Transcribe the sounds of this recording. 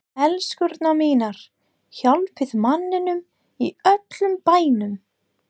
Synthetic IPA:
ɛlskʏɾt̪namiːnaɾ̥ | çawlpʰɪðmanːɪnʏm | iœt̪lʏmpaːjnʏm

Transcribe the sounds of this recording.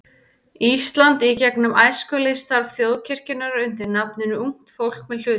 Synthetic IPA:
ist̪lant̪icɛknʏmaːjskʏlest̪aɾvθjowðcʰɪr̥cɪnaɾaʏnt̪ɪɾnapnɪnʏuŋ̥t̪fowl̥k̚mɛðl̥ʏːt̪

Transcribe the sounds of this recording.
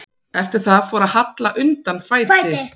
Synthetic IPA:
ɛft̪ɪɾ̥θaðfɔːɾaðhat̪laʔʏnt̪anːfaːj̪ɪ

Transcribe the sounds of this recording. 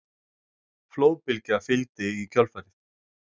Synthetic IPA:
floːwpɪlcɪafɪlt̪ɪicʰœlfaːɾɪθ

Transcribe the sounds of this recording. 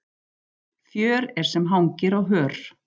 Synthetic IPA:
θjœːɾɛɾ̥sɛmɦawŋcɪɾawɦœːɾ̥

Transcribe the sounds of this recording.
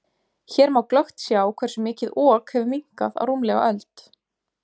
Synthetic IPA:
çɛːɾmaːwklœxt̪sjaːwkʰvɛrsʏmɪːcɪðɔːkhɛvʏmiŋ̥kaða̰wruːmlɛɣa̰ʔœlt̪

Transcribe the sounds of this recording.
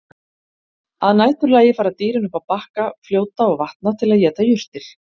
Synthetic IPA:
aðnaːjt̪ʏɾlaːjɪfaːɾat̪iːɾɪnʏhpaðpahkafljoːwt̪aɔɣvaht̪̚nat̪ʰɪlaðjɛːt̪ajʏr̥t̪ɪɾ̥

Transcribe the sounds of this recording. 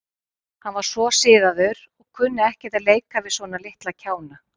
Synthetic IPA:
hanvaɾ̥svɔsɪːðaðʏɾ | ɔɣkʰʏnːʏɛhcɛt̪aðleːjkavɪðsvɔːnalɪht̪lacʰaːwna

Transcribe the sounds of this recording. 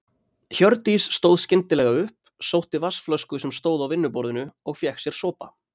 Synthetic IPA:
çœɾt̪isːt̪owðscɪnt̪ɪlɛɣaʏhp | sowht̪ɪvasflœskʏsɛmst̪oːwðawvɪnːʏpɔɾðʏnʏɔɣfjɛhksjɛɾ̥sɔːpa̰

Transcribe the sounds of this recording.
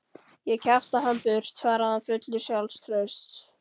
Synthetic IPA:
jɛcʰaft̪aɦanpʏr̥t̪faːɾaðanfʏt̪lʏsjawlst̪ʰɾœɥst̪

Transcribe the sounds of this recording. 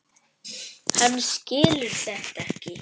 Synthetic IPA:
hanːscɪːlɪ̥θɛht̪ɛhcɪ

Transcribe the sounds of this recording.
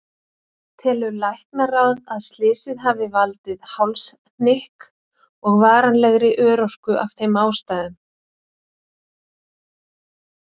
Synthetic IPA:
t̪ʰɛːlʏɾlajhknaraːwðaðst̪lɪːsɪðɦaːvɪvalt̪ɪðhawls | n̥nɪhk | ɔɣvaːɾanlɛɣɾɪʔœːɾɔr̥kʏʔav̥θejmaːwst̪ajðʏm

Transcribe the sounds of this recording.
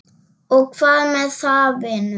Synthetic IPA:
ok̚falmɛsaben

